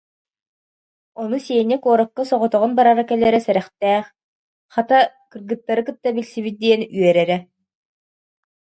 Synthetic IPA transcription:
ɔnusiɛnʲɛkuɔɾɔkːasɔʁɔt̪ɔʁɔnbaɾaɾakɛlːɛɾɛsɛɾɛχt̪ɛːχ | χat̪a | kɯɾɡɯt̪ːaɾɯkɯt̪ːabilsibit̪̚d̪iɛnyœɾɛɾɛ

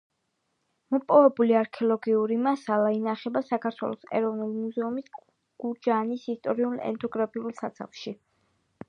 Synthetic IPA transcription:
mɔpʼɔvɛbuliaɾkʰɛɔlˠɔɡiuɾimasalˠainaχɛbasakʰaɾt̪ʰwɛ̰lˠɔsɛ̰ɾɔvnulimuzɛumis | ɡ̥ud͡ʒanisist̪ʼɔɾiulˠɛ̰nt̪ʰɔɡɾapʰiulˠsat̪sʰa̰χʃi

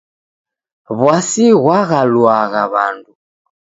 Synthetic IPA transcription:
βwasiɣwaɣalwaɣaβandu

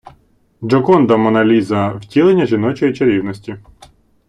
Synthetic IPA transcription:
d͡ʒɔkɔnd̪ɐmɔnɐlʲizɐwtʲilˠenʲːɐʒʲinɔt͡ʃɔjit͡ʃeɾʲiwnɔsʲtʲi

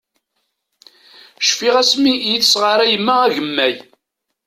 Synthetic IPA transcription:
ʃfiʁæsmijəθsʁəɾˤæjəmːææʝəmːæj

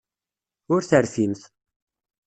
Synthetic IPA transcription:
ʊɾθəɾθimθ

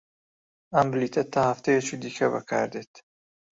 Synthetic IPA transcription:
ɐmbɨliːt̪ʰɐt̪ʰaːhɐft̪ʰejet͡ʃʰid̪iːkʰɐbɐ̰kʰa̰ːɾd̪eːt̪

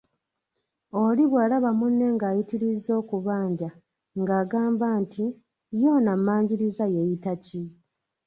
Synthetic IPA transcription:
o̞liβweːlaβamunːe̞ŋɡaːjitiɾizo̞ːkuβaːɲɟa | ŋɡaːɡaːmbantʰi | jo̞ːnamːaːɲɟiɾizajejitaci

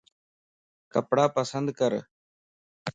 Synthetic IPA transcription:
kəpɽaːpəsənd̪kəɾ

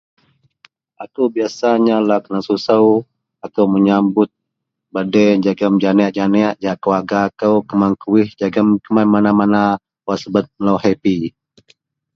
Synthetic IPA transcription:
ʔakuwbiasaɲalakənasusəw | akəwməɲambʊt̪̚ | badɛd͡ʒaɡəmd͡ʒanɛaʔd͡ʒanɛaʔd͡ʒaʔkəwaɡakəwkəmaŋkuwɪhd͡ʒaɡəmkəmanmanamana | wasəbət̪̚lowhepi

